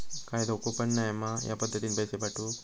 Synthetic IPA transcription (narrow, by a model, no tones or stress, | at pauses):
kajd̪okopəɳːajəmaja̰pəd̪ʱːət̪inpəjsepaʈu